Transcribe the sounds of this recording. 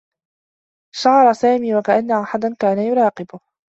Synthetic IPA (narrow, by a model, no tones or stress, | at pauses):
ʃɑʕɑɾˤsaːmiːwakaʔanːaʔaħad̪ankaːnajʊɾˤɑːqɪbʊ